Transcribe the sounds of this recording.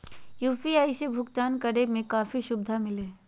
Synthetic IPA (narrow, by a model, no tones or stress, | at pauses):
juːfiaːiʃebʱʊkt̪aːnkɐɽemẽkaːfiʃʊb̚d̪ʱamɪleː